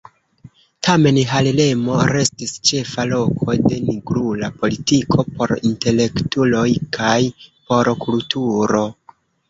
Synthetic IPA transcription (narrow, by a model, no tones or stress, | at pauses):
tʰame̞nɦalile̞mo̞ɾe̞stist͡ʃe̞falo̞kʰo̞jde̞niɡɾulapo̞litikʰo̞po̞ɾinte̞le̞ktulo̞jkʰajpo̞ɾkultʰuɾo̞